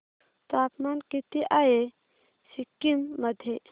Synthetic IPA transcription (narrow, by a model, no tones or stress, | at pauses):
t̪aːpmankit̪iʔaje | sikːimːɐd̪ʱe